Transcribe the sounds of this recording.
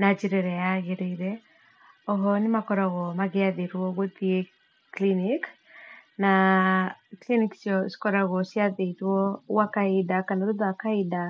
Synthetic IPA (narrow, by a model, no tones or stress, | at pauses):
nad͡ʒiɾeɾɛjaɣeɾeiɾɛ | ɔɦɔnɪmakɔɾaɣɔmaɣeaðeɾwɔɣoðie | klinik | na | kliniksjɔsi̥kɔɾaɣɔsiaðeɾwɔwakaidakanaɾoðoakaida